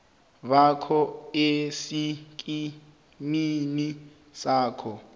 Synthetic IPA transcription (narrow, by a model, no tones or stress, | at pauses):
βakʰɔesikʼi | mini | saːkʰɔ